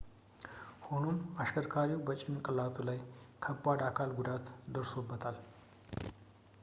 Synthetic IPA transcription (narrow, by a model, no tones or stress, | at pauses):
ho̞no̞maʃkəɾkʰaɾiwbət͡ʃʼɪnkʼɨlat̪ʰulajkʰəbːad̪akʰalɡud̪at̪d̪əɾso̞bːət̪ʰal